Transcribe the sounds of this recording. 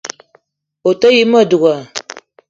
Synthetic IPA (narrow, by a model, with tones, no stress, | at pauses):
o˨ta˦ji˦ma˦˨du˨ɡa˨